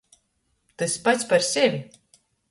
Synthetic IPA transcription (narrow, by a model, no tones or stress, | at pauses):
t̪ɨsʲpat̪sʲpaɾsʲɛvʲi